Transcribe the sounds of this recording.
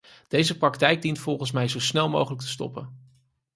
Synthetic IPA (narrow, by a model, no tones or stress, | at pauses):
d̥ejzəprɑk̚tɛjɡ̚dintfɔlˠχəns̬mɛjzowsnɛlˠmo̰wχələk̚tə̥stɔ̰pən